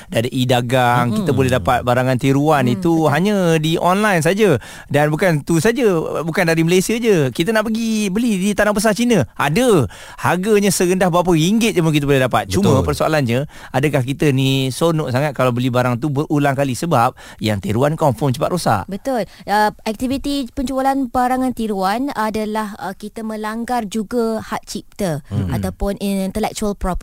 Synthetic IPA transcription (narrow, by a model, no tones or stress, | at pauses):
daadəʔidaɡaŋkit̪əbolɛdapat̪̚baɾaŋant̪eɾuanit̪uɦaɲədiʔɔnlajns̬ad͡ʒə | danbukant̪usad͡ʒəbukandaɾiməlajsiəd͡ʒəkit̪ənaʔpəɡibəlidit̪anabəs̬at͡ʃinə̃a̰də | haɡəɲəsəɾəndahbəap̬əiŋɡɪt̪̚d͡ʒəmənkit̪əbolɛɦdapat̪̚t͡ʃummə̃pərsoa̰lanɲə | adəkahk̬it̪ənisonɔʔsaŋat̪̚kalabəlibaɾaŋt̪ubəʔulaŋkalisəbap̚ | jaŋt̪iɾuankɔmfɔmt͡ʃəpat̪̚ɾosa̰ʔbət̪ʊl | əɛk̚t̪ivit̪ipəɲt͡ʃualanbaɾaŋant̪iɾuanadalahəkit̪əmə̃laŋɡard͡ʒuɡahat̪̚t͡ʃip̚t̪əat̪awpʊnint̪əlɛk̚t͡ʃualpɾɔp